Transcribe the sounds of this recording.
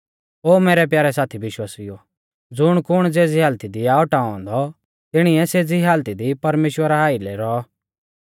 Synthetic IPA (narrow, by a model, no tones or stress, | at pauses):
oːmeːɾɛpjaːɾɛsaːt̪ʰiʋɪʃwaːsɪjo | d͡zʊɽ̃kʊɽ̃d͡zeːd͡ziɦaːlt̪id̪iaːɔʈaːɔ̃ːnd̪ɔ | t̪ɪɽ̃iɛseːd͡ziɦaːlt̪id̪ipɐɾmeːʃwəɾaɦaːilɛɾɔ